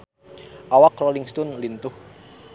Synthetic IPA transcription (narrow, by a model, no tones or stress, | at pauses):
ʔawakroliŋst̪ɔnlint̪ʊh